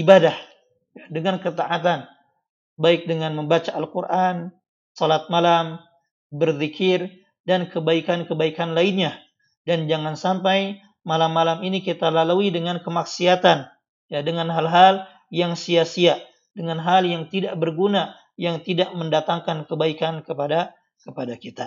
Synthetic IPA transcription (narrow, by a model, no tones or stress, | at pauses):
ibadah | jadəŋankət̪aʔat̪̬an | baɪk̚dəŋanməmbat͡ʃaʔalkurʔan | solat̪̚malam | bərðikʰɪr | dankəbaikankəbaikanlainɲa | dand͡ʒaŋansampaj | malamːalaminikit̪alaluidəŋankəmaksiat̪an | jadəŋanɦalɦal | jaŋsiasiaʔ | dəŋanɦaljaŋt̪idaʔbərɡuna | jaŋt̪idaʔməndat̪aŋkankəbaikankəpada | kəpadakit̪a